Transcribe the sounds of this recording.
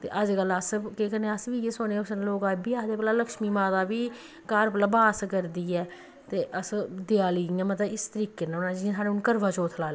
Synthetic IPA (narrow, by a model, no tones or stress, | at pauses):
t̪ḛːʔəd͡ʒkələskekəneːəsʋiːjeːsoːneːʊsnːloːkaːd͡ʒbiːaːd̪eːpəlaːləkʃmiːmãːd̪aːbiː | kaːɾpələbaːskəɾd̪iːɛː | t̪eːʔəsd̪ɪjaːliːɛ̃ːmət̪əɪst̪əɾiːkeːnaːʊnãːd͡ʒĩsaːɽeʊnkəɾʋaːt͡ʃoːt̪ʰlaːlː